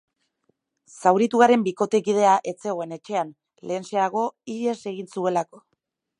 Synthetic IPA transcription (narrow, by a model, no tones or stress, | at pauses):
sawɾit̪uɣaɾe̞mbiko̞t̪ekið̞e̞aʔe̞t͡se̞ɣo̞e̞ne̞t͡ʃe̞an | le̞ːnse̞aɣ̞o̞iɾiese̞ɣinsue̞lako̞̥